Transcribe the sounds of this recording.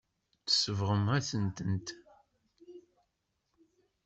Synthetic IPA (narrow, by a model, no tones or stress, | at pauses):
t͡sə̥səvʁəmæsənt̪ənt̪